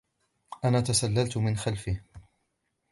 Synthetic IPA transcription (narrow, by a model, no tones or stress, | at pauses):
ʔanaːt̪asalːalt̪mɪnxalfɪh